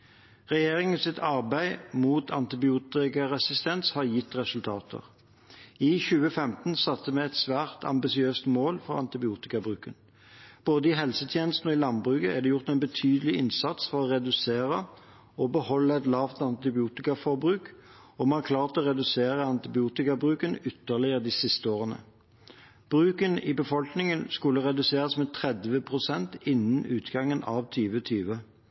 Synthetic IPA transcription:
ʁɛjeːʁɪŋənsɪt̪ʰɑʁbæɪmuːt̪ʰɑnt̪ɪbɪuːt̪ɪkɑʁɛsɪst̪ɛnshɑʁjɪt̪ːʁɛsʉlt̪ʰɑːt̪ʰə̰ʁ | ɪçʉːəfɛmt̪n̩sɑt̪ːəmɛɛt̪sʋæːʁt̪ʰɑ̰mbɪsɪøːst̪moːlfɔʁɑ̰nt̪ɪbɪuːt̪ɪkɑbʁʉːkən | b̥oːd̪əɪɦɛlsət̪ʰjeːnəst̪n̩ɔɪlɑnbʁʉːkəæd̪ɛjʊʁt̪ɛɪnbət̪ʰyːd̪əlɪɪnsɑt̪sfɔʁɔʁɛd̪ʉseːʁə | ɔbəhɔlːəɛt̪lɑːʋt̪ɑnt̪ɪbɪuːt̪ɪkɑfɔbʁʉːk | ɔmæːkʰlɑːʁt̪ɔʁɛd̪ʉseːʁəɑnt̪ɪbɪuːt̪ɪkɑbʁʉːkənʏt̪ːəʁlɪəʁd̪iːsɪst̪əoːʁənə̰ | b̥ʁʉːkənɪbəfɔlknɪŋənskʉlːəʁɛd̪ʉseːʁɑsmɛt̪ʰʁɛd̪ʋəpʰʁʊsɛnt̪ɪnːənʉːt̪ɡɑŋːənɑʋt̪ʰyːʋət̪ʰyːʋə

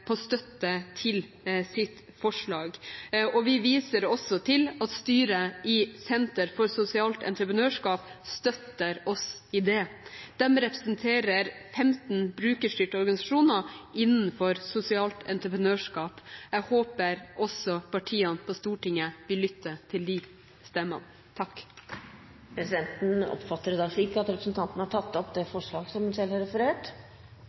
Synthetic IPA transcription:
pʰɔst̪œt̪ːət̪ʰɪl | sɪt̪ | fɔʂɭɑːɡɔʋɪʋiːsəɾɔsɔt̪ʰɪlɑt̪st̪yːɾəɪsɛnt̪əɾfɔɾsʊsɪɑːlt̪ɛ̰nt̪ɾəpɾənøːʂkɑːpst̪œt̪ːəɾɔsɪd̪ɛd̪̥ɛmɾɛpɾə̥sənt̪ʰeːɾəɾfɛmt̪n̩bɾʉːkəʂʈ̪yːʈəɔɾɡɑnɪsɑʂuːnəɪnn̩fɔɾsʊsɪɑːlt̪ɛnt̪ɾəpɾənøːʂkɑːpæɡhoːpəɾʔɔsɔpʰɑʈʰiːənpʰɔst̪uːʈɪŋːəʋɪlːʏt̪ːət̪ʰɪld̪iː | st̪ɛmːə̰n | t̪ʰɑkː | pʰɾɛsɪd̪ɛnt̪n̩ɔ̰pfɑt̪ːəɾd̪ɑʂikːɑt̪ɾɛpɾəsn̩t̪ʰɑnt̪ənhɑʈʰɑt̪ːɔpd̪ɛfɔʂɭɑːɡsɔmsɛlhɑɾɛfəɾeːʈ

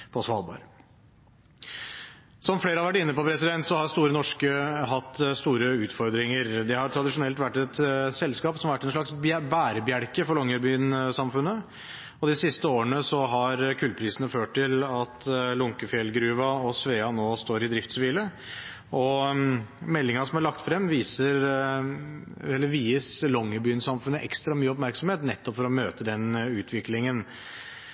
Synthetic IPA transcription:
pʰɔsʋɑːlˠbɑ̰ːɾ | sɔmfleːɾəɑʋæʈːɪnːəpɔpʰɾɛsɪd̪ɛnt̪sɔhɑɾst̪uːɾənɔʂkəɦɑt̪ːst̪uːɾəʉːt̪fɔɾd̪ɾɪŋəɾd̪ɛhɑɾʈ̪ʰɾɑd̪ɪʂʊnɛlt̪ʋæʈːɛt̪sɛlskɑːpsɔmʋæʈːɛnʂɭɑksbæːɾəbjæɽkəfɔɾɭɔŋːəɾbyːnsɑmfʉnːə | ɔd̪ɪsɪst̪əoːəɳəsɔɦɑɾkʰʉːlpʰɾiːsənəføːʈʈɪlɑt̪lʊŋkəfjɛlɡɾʉːʋɑɔsʋeːɑnoːst̪oːɾɪd̪ɾɪft̪sʋiːlə | ʔɔ | mɛlːɪŋɑsɔmæɭɑk̚t̪fɾɛmːʋiːsəɾ | ɛlːəɾʋiːəslɔŋːəbyːnsɑmfʉnːəʔɛ̰kst̪ɾɑmyːəɔpmæɾksɔmheːt̪nɛt̪ːɔpfɔɾɔmøːt̪əd̪ɛnʉːt̪ʰʋɪklɪŋən

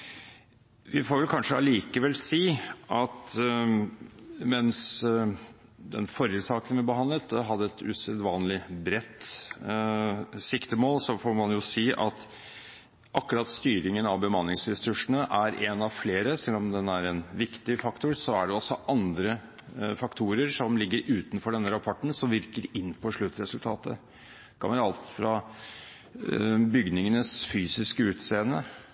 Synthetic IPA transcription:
ʋɪfoːɾʋɛlkʰɑnʂəɑliːkəʋɛlsiːʔɑt̪ | mɛns | d̪ɛ̰nfɔɾjəsɑːkənʋɪbəɦɑnd̪lət̪ɦɑd̪ːəɛt̪ʉ̰səd̪ʋɑːnlɪbɾɛt̪ː | sɪkt̪əmoːlsɔfoːmɑnjʊsiːʔɑt̪ | ʔɑkʉɾɑt̪st̪yːɾɪŋənɑʋbəmɑnːɪŋsɾɛsʉʂənəʔæɾʔɛnɑʋfleːɾəsɛlːɔmd̪ɛnæɾɛnʋɪkt̪ɪfɑkt̪ʊɾsɔæɖɛɔsːɔʔɑnd̪ɾə | fɑkt̪ʰuːɾəɾʂɔmlɪɡːəɾʉːt̪nfɔɖɛnːəɾɑpʰɔʈːn̩sɔmʋɪɾkəɾɪnːpʰɔʂɭʉt̪ːɾɛsʉlt̪ʰɑːt̪ə | kʰɑ̰nʋəɾɑlt̪fɾɑ | bʏɡnɪŋənəsfyːsɪskəʉːt̪seːənə̰

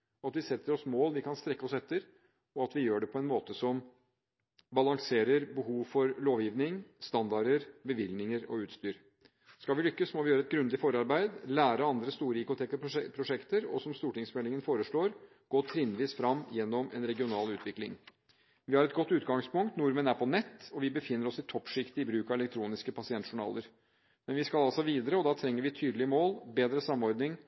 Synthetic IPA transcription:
ɔɑt̪ʋɪsɛt̪ʰːəɾɔsmoːlʋɪkʰɑnst̪ɾɛkːəɔsɛt̪ːəɾ | ɔɑt̪ʋɪjøːɖɛpʰɔɛnmoːt̪əsɔm | bɑlɑŋseːɾəɾbəɦuːʋfɔɾloːʋjiːʋnɪŋst̪ɑnd̪ɑɾəɾbəʋɪlnɪŋəɾɔ̰ʉːt̪st̪yːɾ | skɑlʋɪlʏkːəsmɔʋɪjøːɾəɛt̪̚ɡɾʉnd̪ɪfɔɾɑɾbæɪd̪læːɾəɑnd̪ɾəst̪uːɾəɪkʊt̪ʰeːkəpʰɾʊʂɛkt̪əɾɔ̰sɔmst̪uːʈɪŋsmɛlɪŋənfoːɾəʂɭoːɾ | ɡ̥oːt̪ʰɾɪnd̪ʋiːsfɾɑmːjɛnːɔmɛ̰nɾɛɡɪʊnɑːlʉːt̪ʰʋɪklɪ̰ŋ | ʋɪhɑɾɛt̪ɡɔt̪ːʉːt̪ɡɑŋspʊŋkt̪nʊɾmənæɾpʰɔnɛt̪ːɔʋɪbəfɪnːəɾɔsɪt̪ʰɔpːʂɪkt̪ɪɪbɾʉːkɑɛlɛk̚t̪ʰɾuːnɪskəpʰɑsɪɛnt̪ʂʊɳɑ̰ːləɾ | mɛnʋɪskɑlɑlsɔʋiːd̪əɾəɔd̪ɑːt̪ʰɾɛŋːəɾʋɪt̪ʰyːd̪lɪəmoːlbeːd̪ɾəsɑmːɔɾd̪nɪŋ

